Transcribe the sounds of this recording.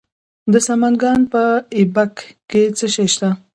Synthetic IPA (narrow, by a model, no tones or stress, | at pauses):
d̪əsamanɡɑnpəɪbakkːet͡səʃajʃt̪a